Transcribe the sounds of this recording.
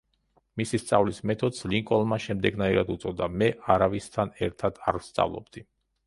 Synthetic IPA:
misist̪sʼavlismɛt̪ʰɔd̪sliŋkʼɔlˠmaʃɛmd̪ɛɡnaiɾad̪ut̪sʼɔd̪amɛʔaɾavist̪ʰanɛɾt̪ʰad̪̥a̰ɾst̪sʼa̰vlˠɔ̰bd̪i

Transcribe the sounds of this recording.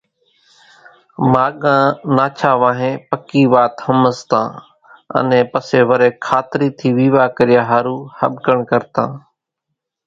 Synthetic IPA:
maːɠãːnaːt͡ʃʰaːʋãːɦẽːpəkiːʋaːt̪həməst̪ã̰ː | ə̰nɛ̃ːpəseːʋəɾeːkʰaːt̪ɾiːt̪ʰiːʋiːʋaːkəɾɪjaːɦaːɾuːhə̰ɓkəɳkəɾt̪ã̰ː

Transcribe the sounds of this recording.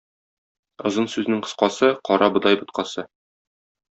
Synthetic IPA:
ŏzɤnsʉznɘŋqɤ̆sqɑsɤqɒɾɑbɤ̆d̪ɑjbɤ̆t̪̚qɑsɤ

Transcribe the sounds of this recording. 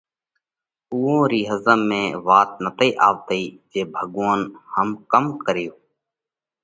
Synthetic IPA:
uːõːɾiːɦəzəmːẽːʋaːt̪̚nət̪iːʔaːʋt̪əiːd͡ʒeːbʱəɠʋãːnhəmkəmkəɾɪjoː

